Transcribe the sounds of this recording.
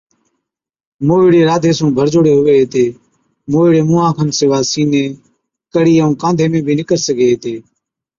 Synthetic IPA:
moːiːɽeːɾaːd̪ʱeːsõːbʱəɾd͡ʒoːɽeːɦʊʋeːɦeːt̪eː | moːɪːɽeːmũːãːkʰənsɪʋaːsiːneː | kəɽiːəũːkãːnd̪ʱeːmẽːbʱiːnɪkəɾsəɡʱeːɦeːt̪eː

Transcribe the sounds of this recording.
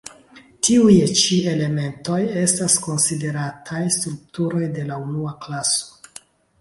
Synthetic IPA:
tiujt͡ʃie̞le̞me̞nto̞je̞stasko̞nside̞ɾatʰajstɾuk̚tuɾo̞jde̞launuaklaso̥

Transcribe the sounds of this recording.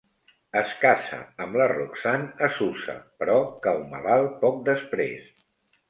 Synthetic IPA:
əskasə̰əmləruksanəsusə̰pɾɔkəwməlalˠpɔk̚d̪əspɾḛs

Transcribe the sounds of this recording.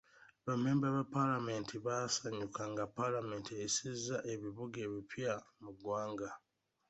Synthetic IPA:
βame̞ːmbaβapːalame̞ːntʰiβasaɲukaŋɡapalame̞ːntieisizaʔe̞βiβuɡe̞ːβipjamuɡwaːŋɡa

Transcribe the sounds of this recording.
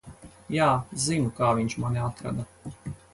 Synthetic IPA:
jaːzimukaːvinʲt͡ʃmaneat̪ɾa̰d̪a

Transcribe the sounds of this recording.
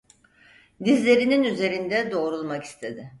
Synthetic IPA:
d̪izlʲe̞ɾininyze̞ɾind̪ɛd̪o̞ːɾulˠmaki̥st̪ʰe̞d̪ɪ

